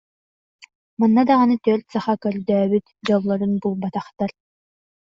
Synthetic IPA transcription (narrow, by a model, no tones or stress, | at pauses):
manːad̪aʁanɯt̪yœɾt̪saχakœɾd̪œːβyt̪d͡ʑɔlˠːɔɾunbulˠbat̪aχt̪aɾ